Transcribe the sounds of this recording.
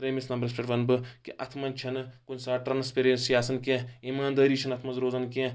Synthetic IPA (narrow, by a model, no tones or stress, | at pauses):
pɾeːmisnɐmbɐɾesʈeʈʋɐnbɨkiʔɐt̪ʰmɐnt͡ʃʰɐnɨkunsaːʈɾɐːnspeɾeːnsiaːsɐnkẽimaːnd̪ɐːɾiːt͡ʃʰɐnɐt̪ʰmɐnzɾoːzɐnkẽ